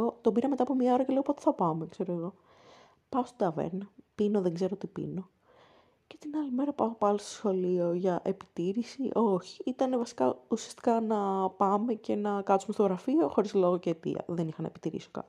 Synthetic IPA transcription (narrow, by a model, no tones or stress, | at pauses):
ot̪o̞biɾɐme̞t̪ɐːpo̞mɲɐo̞ɾɐce̞le̞opo̞t̪e̥θɐpɐmekse̞ɾoeɣo̞ | pɐost̪od̪ɐvḛɾnɐpino̞ðeŋɡze̞ɾoot̪ipḭno̞ | cet̪inɐlime̞ɾɐpɐopɐlost̪o̥sxo̞lio̞ʝɐʔe̞pi̥t̪iɾisiʔo̞çi̥it̪ɐnevɐsi̥kɐusiɐst̪i̥kɐnɐpɐme̞ce̞nɐkɐt̪sumest̪oɣɾɐfio̞xo̞ɾizlo̞ɣocet̪ḭɐ̰ðenixɐnɐepit̪iɾḭso̥kɐ̰t̪